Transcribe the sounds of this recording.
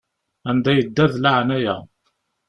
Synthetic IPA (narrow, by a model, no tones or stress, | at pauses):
ænd̪æjəd̪ːæðlaʕnæjæ̰